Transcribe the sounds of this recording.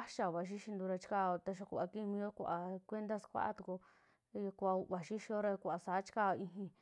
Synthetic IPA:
a˦ʃa˧˨βa˨ʃ̬i˦ʃi˧nd̪ũ˧ɾa˧t͡ʃi̥˦ka˧o˧t̪a˧ʃ̬o˧kʷa˧ki˦mĩ˧o˦kʷa˨kʷe˦nd̪a˦skʷa̰˦ʔa̰˦t̪u˨˧ko˧ | kʷa˧βa˨ʃi˦ʃi˧o˦ɾa˧kʷa˨sa˨˦t͡ʃi̥˦ka˦˧ĩ˧ɦĩ˧

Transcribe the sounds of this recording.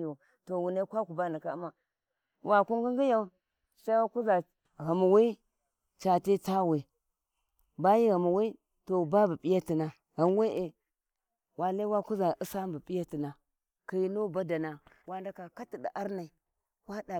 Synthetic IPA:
a˨ | to˨wu˨na˦kʷa˦ku˨ba˦na˨ka˨˦ma˦ | wa˨ku˦ŋɡi˦ŋɡi˦ja˦u˦ | sa˦i˦a˦ku˦za˨ | ɣa˨mu˨wi˦ | t͡ʃa˨ti˦ta˦we˨ | ba˦ji˦ɣa˨mu˨wi˦ | to˨ba˦ba˨pi˦ja˦ti˨na˨ | ɣa˨m˦we˦ʔe˨ | wa˨la˦wa˦ku˦za˨ʔi˦sa˦mbu˨pi˦ja˦ti˨na˨ | ka˨ji˦no˦ba˦da˨na˨ | wa˦nda˦ka˨ka˦ti˨di˨ʔa˦ɾna˨i˨ | wa˦da˨

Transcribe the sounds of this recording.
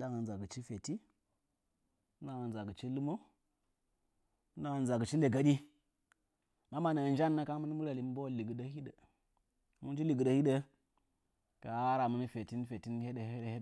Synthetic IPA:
ɗa˦ŋə˨n˨za˨ɡə˨t͡ʃi˦fe˨ti˦ | mu˦na˦ŋə˨n˨za˨ɡə˨t͡ʃi˦lu˦mo˦ | mu˦na˦ŋə˨n˨a˨ɡə˨t͡ʃi˦le˨ɡa˨ɗi˦ | ma˦ma˨na˨n˦d͡ʒa˦nːa˦ka˦ŋ˦mu˦n˦mu˦ɾa˨li˨m˦bo˦˨li˨ɡə˨ɗa˦hi˦də˨ | mu˦n˦d͡ʒi˦li˨ɡə˨də˦hi˦də˦ | ka˨a˦a˦ɾa˨mu˦ni˦fe˨ti˦n˦fe˨ti˦n˦he˦də˨he˦dhe˦˨

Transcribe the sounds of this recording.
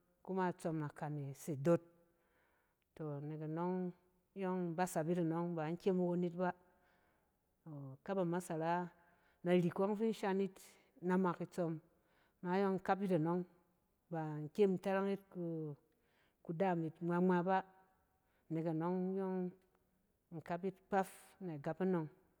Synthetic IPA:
ku˦ma˦˨t͡so˧mna˨ka˨ne˨se˨do˦t̚ | o˨ne˨ka˨no˦ŋ˦ | jɔ˦ŋba˦sa˨bi˦ta˨no˦ŋba˨ŋ̩˦kʲe˦ma˧wo˧˦ni˦t̚ba˦ | o˨ka˦ba˨ma˦sa˨ɾa˦ | na˨ɾi˨ko˦ŋ˦fi˦n̩˦ʃa˧ni˦t | na˨ma˨ki˧t͡so˧mː | a˨˦jo˦ŋŋ̩˨ka˦p̬ji˦ta˨no˦ŋ | ba˨ŋ̩˨kʲe˦m̩˨ta˦ɾa˦ŋi˦t̚ku˧ | ku˧da˦˨mi˨tŋ͡mʷa˧ŋ͡ma˧ba˦˨ | ne˨ka˨no˦ŋ˦jo˦ŋ | ŋ̩˨ka˦p̬ji˦tk͡pa˦f | na˨ɡa˨pa˦no˧ŋ

